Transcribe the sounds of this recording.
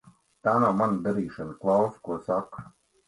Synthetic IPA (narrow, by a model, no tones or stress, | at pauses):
t̪aːnawmand̪aɾiːʃaniklˠawskuɔsak